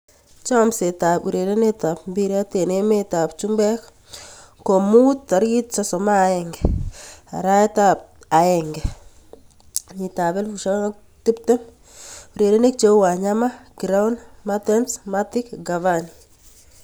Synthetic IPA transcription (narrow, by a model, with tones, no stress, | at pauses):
t͡ʃa˦mse˨ta˨pṵ˨ɾe˨ɾe˦neta˨p̚mbi˦ɾa˦te˨ne˦me˦ta˨pt͡ʃumbɛ˦k | ko˨mu˦tːa˨ɾɡi˦t̚sasɔ˨maː˦ɛŋɡɛa̰˨ɾa˦ɛ˦tap̚ | a˨ɛŋɡɛ | ɲi˨ta˨bɛ˦lfuʃa˦ŋ | ti˦ptɛ˦m | u˨ɾe˨ɾe˦ne˦k̚t͡ʃe˦wa˨ɲamaɡ̥ɾawnmatɛnsmatɪ˦kɡavani